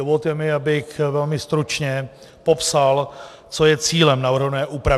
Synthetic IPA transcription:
ovot̪jɛmɪabɪxvɛlmɪst̪ɾut͡ʃɲɛ | po̞psal | t͡so̞jɛt͡siːlɛmnavr̩ɦnɛːʔuːpɾa

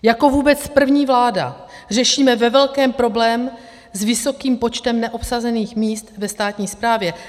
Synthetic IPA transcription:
jako̞vuːbɛt͡spr̩vɲiːvlaːda̰ | r̝ɛʃiːmɛvɛvɛlkɛːmpɾo̞blɛːm | zvɪso̞kiːmpo̞t͡ʃt̪ɛmnɛʔo̞psazɛniːxmiːst̪vɛst̪aːt̪ɲiːspɾaːvjɛ

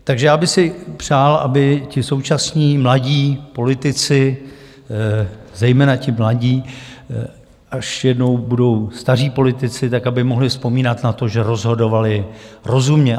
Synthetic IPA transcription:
t̪aɡʒɛjaːbɪxsɪpr̝̥aːlʔa̰bɪcɪso̞wt͡ʃasɲiːmlaɟiːpo̞lɪt̪ɪt͡sɪ | zɛjmɛːnacɪmlaɟiː | ʔaʃjɛdno̞wbudo̞wst̪ar̝iːpo̞lɪt̪ɪt͡sɪt̪akabɪmo̞ɦlɪfspo̞miːnat̪nat̪o̞ʒɛɾo̞zɦo̞do̞valɪɾo̞zumɲɛ

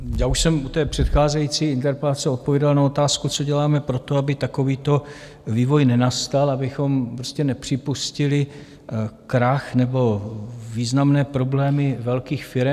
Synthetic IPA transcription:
jaːuʃsɛmut̪ɛːpr̝̥ɛt̪xaːzɛjiːt͡siːɪnt̪ɛɾpɛlat͡sɛo̞t̪̚povjɛdalnao̞t̪aːskut͡so̞ɟɛlaːmɛpɾo̞t̪o̞abɪt̪ako̞viːt̪o̞ | viːvo̞jnɛnast̪alabɪxo̞mpɾoscɛnɛpr̝̥ɪpuscɪlɪ | kɾaxnɛbo̞viːznamnɛːpɾo̞blɛːmɪvɛlkiːxfɪɾɛ

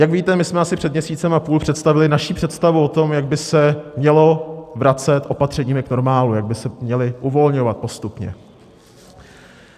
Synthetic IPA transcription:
jaɡviːt̪ɛmɪsmɛasɪpr̝̥ɛd̪mɲɛsiːtt͡sɛmapuːlpr̝̥ɛt̪st̪avɪlɪnaʃiːpr̥ɛt̪st̪avuo̞t̪o̞mjaɡ̚bɪsɛmɲɛlo̞vɾat͡sɛt̪ʔo̞pat̪r̝̥ɛɲiːmɪkno̞ɾmaːlujaɡ̚bɪsɛmɲɛlɪʔuvo̞lɲo̞vat̪̚po̞st̪upɲɛ̰

